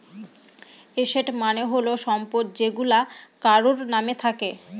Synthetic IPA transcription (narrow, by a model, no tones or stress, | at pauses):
eʃeʈmaneɦoloʃɔmpoʈ̪̚d͡ʑeɡulakaɾoɾnamet̪ʰake